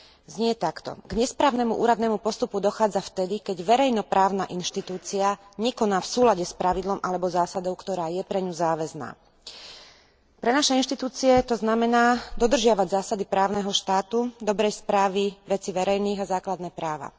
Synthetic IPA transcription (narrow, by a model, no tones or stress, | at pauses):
zɲɪɛt̪akt̪ɔ̰ɡɲɛspɾaːʊnɛmṵʔṵːɾad̪nɛːmupɔst̪upud̪ɔxaːd͡zaft̪ɛd̪ikɛɟʋɛɾɛjnɔpɾaːʊnaʔinʃt̪it̪uːt͡siaɲɛkɔnaːfsuːlaɟɛspɾaʋid̪lɔmʔalɛbɔzaːsad̪ɔʊkt̪ɔɾaːjɛpɾɛɲuzaːʋɛzna̰ː | pɾɛnaʃɛinʃt̪it̪uːt͡siɛt̪ɔznamɛnaːd̪ɔd̪r̩ʒɪaʋaɟzaːsad̪ipɾaːʊnɛɦɔʃt̪aːt̪ud̪ɔbɾɛjspɾaːʋiʋɛt͡siʋɛɾɛjniːɣazaːklad̪nɛːpɾaːʋa̰